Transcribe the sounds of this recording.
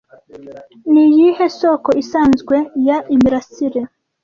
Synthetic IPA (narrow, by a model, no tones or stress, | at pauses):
nijihe̞sokoʔisaːnzɡwe̞jaʔimiɾasiɾe